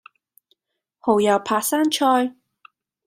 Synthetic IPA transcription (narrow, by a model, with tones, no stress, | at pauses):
ho˨˩wjɐ˨˩wpʰaː˧k̚saː˥nt͡ʃʰɔː˥j